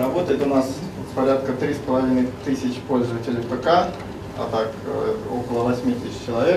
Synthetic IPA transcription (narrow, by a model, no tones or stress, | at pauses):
ɾɐbo̞t̪əjɪt̪ʊnas | spɐɾʲat̪kət̪ɾʲispəlˠɐvʲinəjt̪ɨsʲɪt͡ɕpolʲzəvətʲɪlʲɪpəka | ɐ̰t̪akɛt̪okəlˠəvɐsʲmʲit̪ʲisʲɪ̥t͡ɕt͡ɕːɪlˠɐvʲe̞